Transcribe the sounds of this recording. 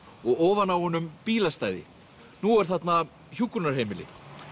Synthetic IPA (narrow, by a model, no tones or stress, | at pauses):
ɔɣɔːvanawhɔnːʏmpiːlast̪aːjðɪ̰ | nuɛɾ̥θat̪na | çukːuɾnaɾ̥hejmɪlɪ̰